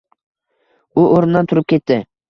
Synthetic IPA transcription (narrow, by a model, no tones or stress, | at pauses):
ʊʔoɾɪnd̪ant̪ʰʊɾɪp̚kʲe̞t̪ːɪ